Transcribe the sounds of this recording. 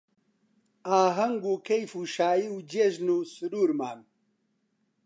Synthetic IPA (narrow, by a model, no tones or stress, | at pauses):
aːɦɐŋɡuːkʰɐjfuːʃaːjiwd͡ʒeːʒnuːsɨɾuːɾma̰ːn